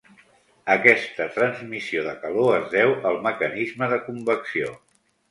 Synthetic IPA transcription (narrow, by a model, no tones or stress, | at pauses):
əkɛst̪ət̪ɾənzmisioðəkəloəzðɛwəlˠməkənizməðəkumbəksio